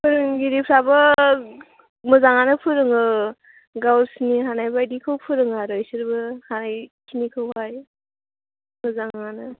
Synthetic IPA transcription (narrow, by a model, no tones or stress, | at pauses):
pʰɯɾɯŋɡiɾipʰɾabɯ | mɯzaŋanɯpʰɯɾɯŋɯ | ɡawɾsniɦanajbajdikʰɯwpʰɯɾɯŋaɾɯjsɯɾbɯhanajkʰinikʰɯwhaj | mɯzaŋanɯ